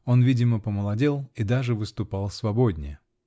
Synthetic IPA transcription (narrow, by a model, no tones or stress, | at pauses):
o̞nvʲidʲɪməpəməlˠɐdʲelˠid̪aʐɨvɨst̪ʊpalˠsvɐbodʲnʲɪ̰jə